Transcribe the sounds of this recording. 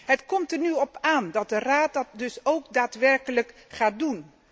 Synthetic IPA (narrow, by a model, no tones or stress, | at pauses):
ɦətkɔmtərnyɔpaːndɑt̚dəraːt̚dɑt̚dɵsowkdaːtʋɛrkələkχaːdun